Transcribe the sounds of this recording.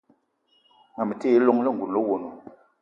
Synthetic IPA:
ŋa˨mə˨te˦lo˦ŋlɛ˦ŋ̩˨ɡu˨n˨lo˦wo˨no˨

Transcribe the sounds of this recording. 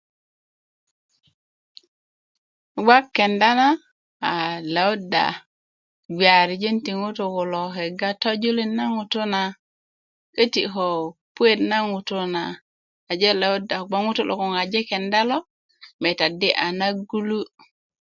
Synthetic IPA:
ɡa˦kːe˨nda˦naː˦˨ | le˨u˦da̰˨ | ɡi˨a˨ɾi˨d͡ʒe˦nti˨ŋu˦tu˨ku˨lo˨ɦe˨ɡa˦to˦d͡ʒu˦li˦nːa˦ŋu˨tu˦na˨ | ke˦ti˨ɦo˨pu˦e˦tna˦ŋu˨tu˦naː˨ | d͡ʒe˦le˨u˦da˨ɡ͡bo˦ŋu˦tu˦˨lʔo̰˨ko˨ŋa˨d͡ʒe˦ke˨nda˦lo˦ | me˨ta˨di˦ʔa˨na˦ɡu˦lu˦

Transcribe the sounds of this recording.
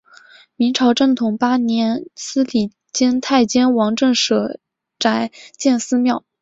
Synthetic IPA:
mi˧˥ŋʈ͡ʂʰɑ˧˥ʊʈ͡ʂɤ˥˩ŋt̪ʰʊ˨˩ŋpa˥njɛ˧˥nsɹ̩˥li˨˩ | t͡ɕɛ˥nt̪ʰa˥˩ɪt͡ɕjɛ˥nwɑ˧˥ŋʈ͡ʂə˥˩ŋʂɤ˨˩ | ʈ͡ʂa˧˥ɪt͡ɕjɛ˥˩nsɹ̩˥mjɑ˥˩ʊ

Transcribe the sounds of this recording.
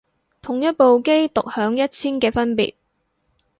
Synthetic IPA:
t̪ʰʊ˨˩ŋjɐ˥t̚po˨wke˥jt̪ʊ˨k̚hœː˨˥ŋjɐ˥t̚t͡sʰiː˥nkɛː˧fɐ˥npḭː˨˩t̚

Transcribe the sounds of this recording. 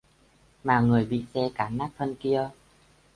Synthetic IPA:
maː˨˩ŋɨ˨˩əjɓḭ˧˨sɛ˧kaː˨˦naː˦˥k̚t̪ʰə˧nki˧ə

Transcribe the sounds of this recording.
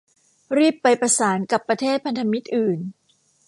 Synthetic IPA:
ɾiː˥˩pːa˧jpɾa˧saː˩˦nka˨˩pːɾa˧t̪ʰeː˥˩t̪̚pʰa˧nt̪ʰa˧mi˦˥t̪̚ʔɯː˨˩n

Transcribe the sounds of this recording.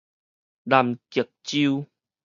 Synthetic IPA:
la˨˩mki˨˩ək̚t͡ɕi˦u˦

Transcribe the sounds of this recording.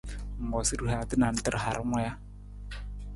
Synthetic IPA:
ŋ̩˨ɡɔ˨si˦ɾu˦ɦa˨t̪ə˦na˨n˦tə˦ɾɦa˨ɾŋɔ˦ja˦

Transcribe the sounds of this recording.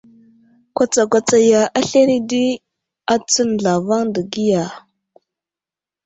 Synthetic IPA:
kʷa˨t͡sa˨kʷa˨t͡sa˨ja˨ʔa˦ɬe˦ɾi˦di˦ | a˦t͡sə˦n˨ɮa˨va˦ŋdə˨ɡi˦ja˨

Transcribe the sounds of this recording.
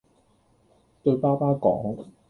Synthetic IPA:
t̪ɵ˧paː˥paː˥kɔ̰ː˨˥ŋ

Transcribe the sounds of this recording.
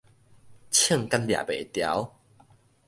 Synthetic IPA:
t͡ɕʰjə˥˨ŋka˦˥nlja̰˨bḛ˨˩˦t̪ja̰˨˦w

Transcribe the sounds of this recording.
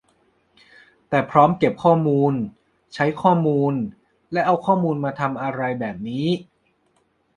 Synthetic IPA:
t̪ɛː˨˩pʰɾɔː˦˥mke˨˩p̚kʰɔː˥˩muː˧n | t͡ɕʰa˦˥jkʰɔː˥˩muː˧n | lɛ˦˥ʔa˧wkʰɔː˥˩muː˧nmaː˧t̪ʰa˧mʔa˧ɾa˧jbɛː˨˩p̚niː˦˥

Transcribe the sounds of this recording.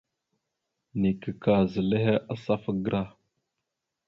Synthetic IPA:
ni˨kə˨ka˨zə˨le˦ɦe˦ʔa˦sa˦fə˦ɡɾʔa˦

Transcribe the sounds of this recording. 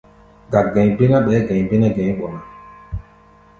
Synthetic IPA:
ɡa˨ɡɛ̃˨ɲbi˦na˦ɓɛː˨˦ɡɛ̃˨ɲ˨be˦na˦ɡɛ̃˨˦ɲ˦ɓɔ˨na˨

